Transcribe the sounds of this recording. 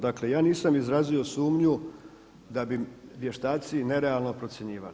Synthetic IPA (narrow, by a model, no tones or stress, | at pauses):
d̪akle̞jaːniːsamizɾaːzio̞suːmɲu | d̪abiʋje̞ʃt̪aːt̪sine̞ɾealˠno̞pɾo̞t̪sje̞ɲiːʋa̰li